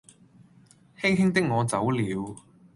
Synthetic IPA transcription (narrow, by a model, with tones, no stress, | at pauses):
he˥jɦɪ˥ŋt̪ɪ˥k̚ŋɔː˨˧t͡sɐ˨˥wliː˨˧w